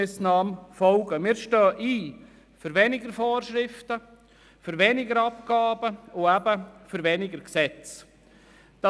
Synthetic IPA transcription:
ɪsnɑːmfɔlɡəmɪːɾʃtœːʔiː | føɾʋɛnɪɡəɾfoːrʃɾɪftə | føɾʋɛnɪɡəɾɑp̚ɡ̥ɑːbəʊæbəfyɾʋɛnɪɡəɾksɛt͡s | d̥ɑ

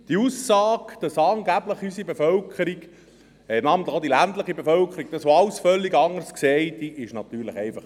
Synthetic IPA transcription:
d̥iuːsːɑːkd̥ɑsɑːŋɡæbləχhysibefœlkʰəɾik | ɛnɑːmənt̪ləχod̥ilæntləχibefœlkʰəɾik̚d̥̪ɑsʋoɑwsfœlːiɡɑŋərskseɪtiʔɪʃnɑt̪yːɾləχɛɪfɑχ

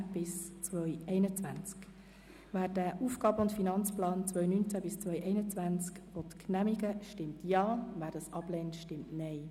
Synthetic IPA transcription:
b̥ɪst͡sʋœʏɛɪnət͡sʋænt͡sk | væːd̥æʔuːfɡ̥ɑːbəʊntfinɑnt͡splɑːnt͡svœʏnynt͡sæbɪst͡svœʏjʔɛɪnət͡sʋænt͡skvotkʰnæmiɡəʃtɪmtjɑːvæːɾdɑsɑb̥lɛntʃtɪmtnɛɪ

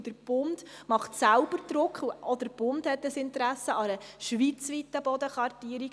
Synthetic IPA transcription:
d̥̪əɾb̥ʊnd̥mɑχt̪sælbəɾd̪ɾʊkχuɔd̪əɾb̥ʊndhɛt̪ːəsɪnt̪ɾæsːəɑɾəʃʋit͡sʋit̪ːəbɔd̪əχʋɑrtiəɾi

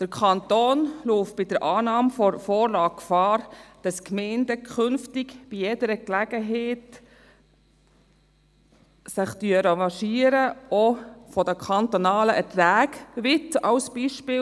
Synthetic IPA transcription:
d̥əɾkʰɑnt̪oːnloːft̚b̥ɪd̥əɾʔɑːnɑːmfɔfɔːɾlɑːkkfɑːɾd̥ɑskmɛɪndəkʰχʏnftɪkb̥ijɛdəɾəklæɡ̥əɦɛɪt | sɪχtyəɾəvɑʃiːəɾəɔfɔdəkʰɑntɔnɑːləʔətvæːɡʋɪtɑʊsb̥iʃpɪː

